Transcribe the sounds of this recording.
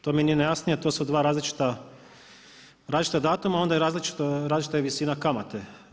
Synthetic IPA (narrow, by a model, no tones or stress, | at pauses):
t̪omieninejasnijet̪oːsud̪ʋaːɾaːzlit͡ʃi̥t̪a | ɾaːzlit͡ʃit̪ad̪aːt̪umao̞nd̪ajeɾaːzlit͡ʃi̥t̪oɾaːzlit͡ʃit̪ajeʋisiːnakamat̪e